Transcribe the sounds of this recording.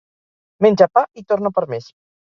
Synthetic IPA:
menʲd͡ʒapait̪oɾnopəɾmes

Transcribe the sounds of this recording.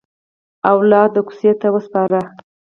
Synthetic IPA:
awlɑd̪əku̥set̪awəspɑɾa

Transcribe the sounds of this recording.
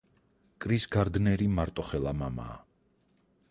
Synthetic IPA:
kʼɾisɡaɾd̪nɛɾimaɾt̪ʼɔχɛlˠamama̰ː

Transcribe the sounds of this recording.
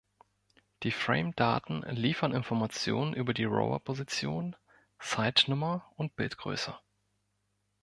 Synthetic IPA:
d̥iːfʁ̥ɛ̰ɪmd̥a̰ːtn̩liːfɐnɪnfɔɐmat͡sjo̰ːnənʔyːbɐdiːʁo̰ʊɐ̰pʰozit͡sjoːn | t͡saɪtnʊmɐʊnt̚b̥ɪltɡ̥ʁø̰ːsɐ

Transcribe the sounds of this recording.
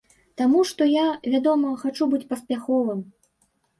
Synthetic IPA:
t̪amuʂt̪ɔjavʲad̪ɔmɐxat͡ʂubɨt͡sʲpɐspʲaxɔvɨm

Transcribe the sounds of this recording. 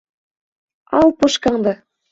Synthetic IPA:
ɑlpɤʃkɑŋd̪ɤ

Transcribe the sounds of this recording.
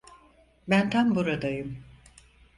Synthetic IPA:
bænt̪ʰambuɾad̪ajɯm

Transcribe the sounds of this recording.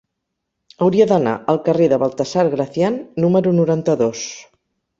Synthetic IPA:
əwɾiəðəna̰əlˠkəreðəβəlˠt̪əsaɾɣɾəθjanːuməɾunuɾant̪əðos

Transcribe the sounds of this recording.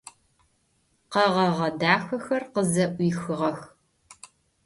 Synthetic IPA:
qɐʁɐʁɐdaːxɐxɐrqəzɐʔʷiːxɨʁɐx

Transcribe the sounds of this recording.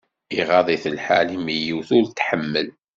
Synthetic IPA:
iʁɑðˤiθəlħa̰limijiwθʊɾt̪ːħəmːəl

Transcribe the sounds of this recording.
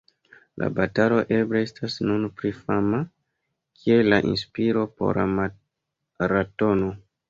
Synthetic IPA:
la̰batalo̞ʔe̞bleestasnunpɾifama | kʰie̞laʔḭnspiɾo̞po̞̰ɾa̰ma | ɾato̞no

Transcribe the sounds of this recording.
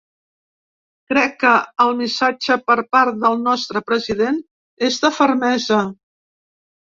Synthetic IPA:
kɾɛkːəːlˠmisad͡ʒəpəɾpaɾt̪̚ðəlˠnɔst̪ɾəpɾəziðen | ezðəfəɾmɛzə

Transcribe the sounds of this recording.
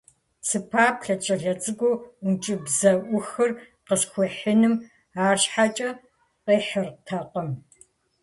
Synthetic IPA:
sɨpʰaːpɬɐt͡ʃʼɐɮɐt͡sʼɨɡʷoʊnt͡ʃʼɪbzɐʔʷʊxɨr | qəsxʷʊħɪnɨm | aːrɕħat͡ʃʼɐ | qeːħɐrtʰɐqəm

